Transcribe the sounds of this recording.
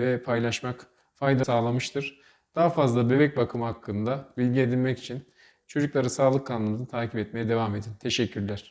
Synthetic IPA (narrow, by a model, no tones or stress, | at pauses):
vɛpʰajlˠaʃmak | fajd̪asaːlˠamɯʃt̪ʰɯɾ̥ | d̪̥aɦafazlˠabe̞bɛc̚bakʰɯmhakːɯnd̪abilʲɟie̞d̪ilʲmɛci̥t͡ʃʰin | t͡ʃʰo̞d͡ʒuklˠaɾɯsaːlˠɯkʰːanɯmɯnɯt̪ʰaːcʰipɛt̪̚me̞jɛd̪e̞vame̞d̪int̪ʰe̞ʃɛcʰːyɾlʲæɾ̥